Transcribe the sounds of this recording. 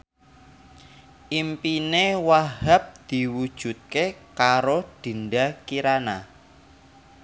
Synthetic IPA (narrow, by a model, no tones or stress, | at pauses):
ʔimpinewaɦap̚d̪̥i̤wud̥ʒ̥ṳt̪̚kekaɾoɖ̪̥i̤nɖakiɾana